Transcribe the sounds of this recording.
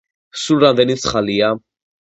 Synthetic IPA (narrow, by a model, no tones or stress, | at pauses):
suɾamd̪ɛnit̪sʰχalia